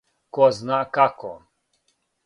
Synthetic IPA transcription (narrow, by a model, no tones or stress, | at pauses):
kɔznakakɔ̰